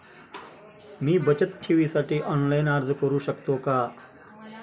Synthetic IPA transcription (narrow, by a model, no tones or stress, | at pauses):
miːbət͡ɕət̪̚ʈʰiʋiːsaʈiːʔɔnlajnaɾd͡zkəɾuːɕəkt̪oka